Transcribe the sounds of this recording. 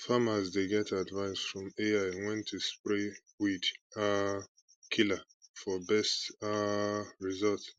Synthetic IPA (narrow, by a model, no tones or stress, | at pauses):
famazdeɡɛtʰadvãnsfɹɔ̃meaɪ̃nwɛ̃ntʰːuspɹe | wida | kʰila | fɔbɛstaɹizɔlt